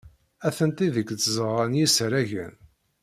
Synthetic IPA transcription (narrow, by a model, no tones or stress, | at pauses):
æθənt̪iðəkːt͡sːzəʁænjisɾæʝə̰n